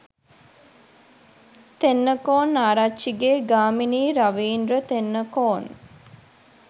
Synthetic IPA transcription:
t̪enːəkoːnːaːɾatːt͡ʃʃiɡeːɡaːminiːɾaʋiːnɾət̪enːəkoːn

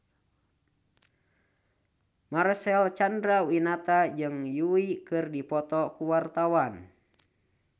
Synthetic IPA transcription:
marsɛlt͡ʃandɾawinat̪ad͡ʒɨŋjuikɨrdipɔt̪ɔkuwart̪awan

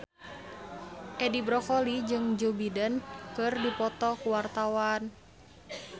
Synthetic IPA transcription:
ʔɛdibɾɔkɔlid͡ʒɨŋd͡ʒubidɛnkərdupɔt̪ɔkuwart̪awan

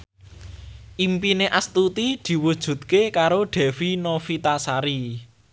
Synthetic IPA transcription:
ʔimpineʔast̪ut̪id̪̥i̤wud̥ʒ̥ṳt̪̚kekaɾoɖ̥ɛ̤finofit̪asaɾi

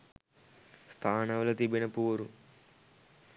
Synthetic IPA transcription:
st̪ʰaːnɐʋlɐt̪ibinɐpuːɾu

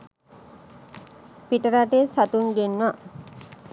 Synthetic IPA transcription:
piʈəɾaʈesat̪uŋɡenʋa

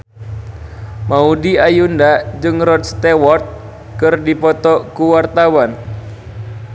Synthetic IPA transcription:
maudiajundad͡ʒɨŋrɔt̪st̪ewɔrt̪̚ | kɨrdipɔt̪ɔkuwart̪awan

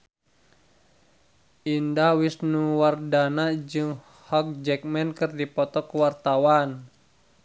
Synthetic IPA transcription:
ʔindahwisnuwardanad͡ʒɨŋ | hɔk̚d͡ʒɛk̚mɛnkɨrdipɔt̪ɔkəwart̪awan

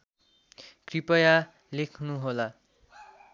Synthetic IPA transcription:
kripʌja | lekʰnuɦola

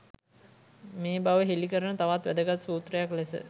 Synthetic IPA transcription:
meːbaʋəɦelikəɾənət̪aʋat̪ʋæd̪əɡat̪suːt̪rəjaklesə̰

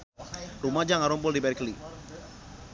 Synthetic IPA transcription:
rumad͡ʒaŋaɾɔmpʊldibɛrkli

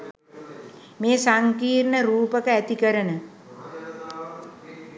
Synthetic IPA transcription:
meːsaŋkiːrnəɾuːpəkəæt̪ikəɾənə

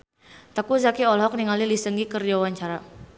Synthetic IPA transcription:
t̪əkuzakiɔlɦɔk̚niŋalilisəŋɡikərd͡ʒawaɲt͡ʃaɾa

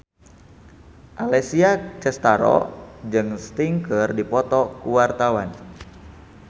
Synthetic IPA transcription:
ʔalɛsiat͡ʃɛst̪aɾɔ̰d͡ʒɨŋst̪iŋkərdipɔt̪ɔkuwart̪awan

